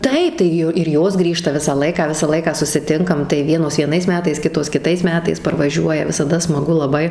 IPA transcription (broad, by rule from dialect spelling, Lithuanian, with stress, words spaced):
ˈtɐɪp tɐɪ ˈjʊ ɪr ˈjoːs ˈɡrʲiːʃtɐ ˈʋʲɪsɑː ˈlˠɐɪkɑː ˈʋʲɪsɑː ˈlˠɐɪkɑː sʊsʲɪˈtʲɪŋkɐm tɐɪ ˈʋʲiɛnoːs ʋʲiɛˈnɐɪs ˈmʲæːtɐɪs ˈkʲɪtoːs kʲɪˈtɐɪs ˈmʲæːtɐɪs pɐrʋɐˈʒʲuɔjɛ ʋʲɪsɐˈdɐ smɐˈɡʊ lˠɐˈbɐɪ